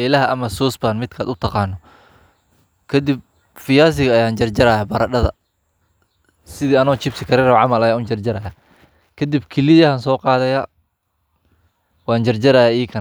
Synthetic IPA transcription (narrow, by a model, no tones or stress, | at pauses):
ɛlɐɦɐʔɐmɐsuːsbaːnmɪd̪kʰaːd̪ʊt̪ʰɑqɑːnːɔ | kʰɐd̪ɪb̚ | fɪjaːs̬ɪɣɐːjaːnt͡ʃɐrd͡ʒɐɾɐːjabɐɾɐɖɐðɐ̰ | sɪðiːɐnɔt͡ʃɪbsɪkʰɐɾɛɾɔʕɑmɐlɐjaːʊnt͡ʃɐrd͡ʒɐɾɐjaː | kʰɐd̪ɪbkʰɪlɪðɐhɐnsɔːqɑːðɐjaː | wɑːnt͡ʃɐrd͡ʒɐɾɐjaːiːkʰɐn